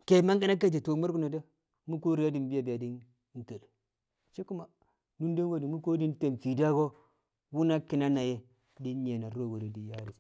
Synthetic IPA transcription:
ke˨ma˦ŋɡi˦na˦k̬a˦d͡ʒe˨to˨˦ma˦ɾku˦na˨da˦ | mu˦ko˦ɾi˦ja˦di˨m˦bi˦ja˨bi˨a˨di˦n˦ | n˦ta˨d | t͡ʃe˦ku˦ma˨ | nu˦nde˦ŋɡo˦di˨mu˦ko˦di˦nte˨mfi˨da˦ɡo˦ | wu˦na˦ki˨na˦na˨je˦ | di˦n˦ɲe˨na˨˦o˦wo˨ɾe˨di˨ja˦ɾi˨

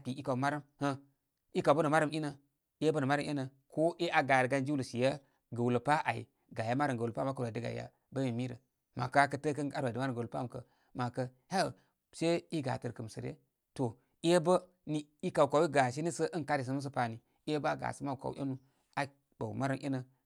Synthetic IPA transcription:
a˨pi˨i˦ka˨ma˦ɾa˦mhə˦ | i˦ka˨bə˦nə˨ma˦ɾə˦mi˦nə˨˦ | e˦bə˦nə˨ma˦ɾa˦m˦e˦nə˨ | ko˦ʔe˦ʔa˦ɡa˨ɾɡa˦nd͡ʒi˦u˦lə˨si˨ja˦ | ɡə˨wu˨lə˨pa˦ʔa˨ḭ˨ | ɡa˨ja˦ma˦ɾə˨ɡə˨pa̰˦ma˦ka˦˨a˨di˦ɡa̰˨ja̰˨ | bə˦mi˨mi˦ɾə̰˨ | ma˨ka˦kə˦tə˦kə˦na˦˨a˨ə˦ma˦ɾɡə˨pa˦˨kə̰˨ | ma˨kə˦ | ha˦˨ | se˦i˦ɡa̰˨tə˨ɾkə˨msə˨ɾḛ˦ | to˨˦ | e˦bə˦ | ni˦i˦ka˨wka˨wi˦ɡa˨ʃ̬i˦ni˦sə˦ʔə˦n˨ka˦ɾi˨s̬ə˨m˦s̬ə˦pa˨ni˨˦e˦ba˦ɡa̰˨sə˦ma˦˨ka̰˨w̰ʔḛ˦nu˦ | a˨ | ba˨ma˦ɾə˦mʔḭ˦nə˨

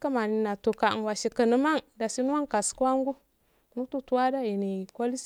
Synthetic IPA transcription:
ka˦ma˨ni˨na˨to˨ka˨n˨wa˨ʃi˨kə˨nə˦ma˦ŋda˨si˦n˦a˦ŋka˨skwa˦ŋɡu˦˨ | nu˦tu˦tu˦wa˦da˦i˨ni˨ko˦li˦s

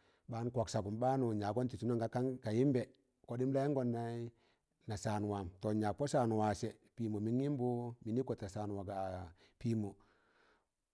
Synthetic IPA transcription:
baː˦n˦kʷa˨ksa˨ɡu˨mba˦nu˨ɲa˨ɡo˦nti˨su˦na˦ŋɡa˨˦ka˦ŋka˨ji˦mbe˨ | ko˨˦di˦m˦la˦i˦ŋɡo˦nːa˦i˦ | na˨saː˨n˨wa˨mto˨ɲa˨k̚po˦sa˨nu˨wa˨se˨ | pi˨mo˨mi˦ŋi˦m˦bu˦mi˨ni˦ko˨ta˨sa˨nwa˨ɡa˨ | piː˦mo˨

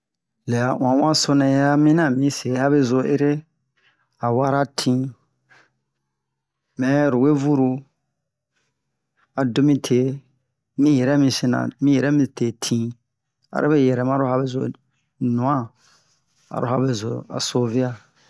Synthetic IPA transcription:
lɛ˨a˨ʔã˨˦wã˦so˧nɛ̃˨ja˦mĩ˦nã˨mĩ˨˦se˨˦ha˦be˦zo˧ʔe˦ɾe˦ | a˨wa˦ɾa˦tʰĩ˦ | mɛ̃˨˦ɾu˨we˦vu˦ɾu˧ | a˨do˦mĩ˦tʰe˨˦ | mĩ˦jɛ˨ɾɛ˦mĩ˧si˦nã̰˨mĩ˦jɛ˨ɾɛ˦mĩ˧te˨tʰĩ˦ | a̰˨ɾʔe˦be˦jɛ˨ɾɛ˨mã˦ɾo˦ha˦be˦zo̰˨ | nũ˨ã˦ | a̰˨ɾo̰˦ha˦be˦˨zo˨a̰˨so˦vi˦a˦

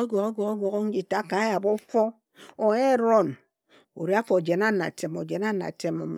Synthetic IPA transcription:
ɡʷo˨ɣo˦ɡʷo˨ɣo˦ɡʷo˨ɣo˦n̩˦d͡ʒi˨ta˦ka˨˦ja˨bo˦fo˦ | o˨˦e˦ɾo˦˨n | o̰˨ɾi˦a˦fo˨d͡ʒe˨na˦na̰˨te˨mo˨d͡ʒe˨na˦na̰˨te˦mo̰˨mḛ˨

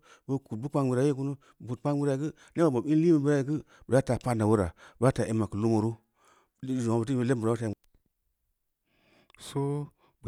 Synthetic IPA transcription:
bə˦ku˨bu˦k͡pa˦ŋbi˨ɾa˨˦je˦ku˦nu˦˨bu˨k͡pa˦ŋbi˦ɾa˨kɨ˦ | n˦e˦ba˨bo˨i˦n˦li˦mi˦˨bə˦ɾa˦i˨kɨ˦ | bə˨ja˦ta˨pa˦nda˨wu˦ɾa̰˨ba˦ta˨ʔe˨mːa˨kɨ˨lu˦mo˨ɾu˦˨ | d͡ʒo˨a˨bə˨t̬i˦bə˨le˦˨bɾa˨˦o˦ta˨i˨ | so˦ | b

